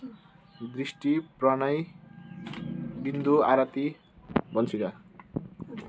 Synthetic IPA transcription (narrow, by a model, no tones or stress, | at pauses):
d̪risʈiprʌnʌj | bind̪uaɾat̪i | bʌnt͡sʰuka